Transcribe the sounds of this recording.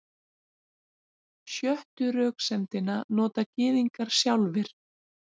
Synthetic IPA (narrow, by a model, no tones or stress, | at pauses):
sjœht̪ʏɾœːksɛmt̪ɪnanɔːt̪acɪːðiŋkaɾ̥sjawlvɪɾ̥